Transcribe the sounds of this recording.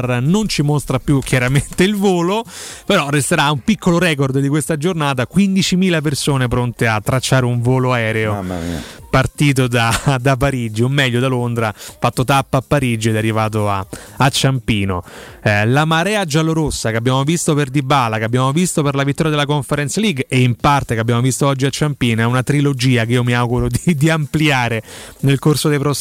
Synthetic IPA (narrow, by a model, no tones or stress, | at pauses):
rnont͡ʃimost̪ɾapːjukʰjaɾament̪eilvoːlopeɾɔrːest̪eɾaumpikʰːoloɾɛːk̬ord̪d̪ikwest̪ad͡ʒornaːt̪̬akwind̪it͡ʃimiːlap̬ersoːnepɾont̪eat̪ːɾat͡ʃːaːɾeuɱvoːloaɛːɾeo | part̪iːt̪̬od̪ad̪ap̬ːaɾid͡ʒiomːɛʎːod̪alond̪ɾafat̪ːot̪apːaːpːaɾid͡ʒoɛd̪ɛarːivaːt̪̬oaat͡ʃːampiːnolamaɾɛːad͡ʒaloɾosːakeabːjaːmovist̪operd̪ibaːlakeabːjaːmovist̪operlavit̪ːɔɾjad̪elakoɱfeɾɛnt̪saliɡeimpart̪ekeabːjaːmovist̪oɔd͡ʒːiat͡ʃːampiːnoɛunat̪ɾilod͡ʒiːak̬eiːomiawɡuɾod̪id̪iampliaːɾenelkorsod̪ejpɾɔs